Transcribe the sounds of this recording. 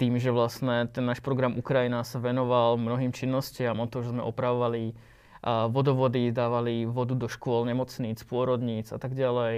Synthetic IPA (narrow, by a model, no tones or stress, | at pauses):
t̪iːmʒɛʋlast̪ɲɛt̪ɛnːaːʃpɾɔɡɾamʔukɾajinasaʋɛnɔʋalmnɔɦiːmt͡ʃinːɔscɪamɔt̪ɔmʒɛzmɛ̰ʔɔpɾaʋɔʋali | ʋɔd̪ɔʋɔd̪id̪aːʋaliʋɔd̪ud̪ɔʃkʊɔlɲɛmɔt͡sniːt͡spʊɔɾɔd̪ɲiːt͡sa̰t̪aɡɟalɛj